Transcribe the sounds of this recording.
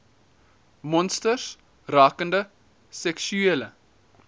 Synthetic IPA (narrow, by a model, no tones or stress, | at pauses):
mɔnstərs | rɑːkəndə | sɛksyelə